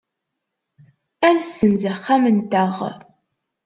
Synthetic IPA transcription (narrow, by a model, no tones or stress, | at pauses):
ænsːənzæχːæmənt̪əʁ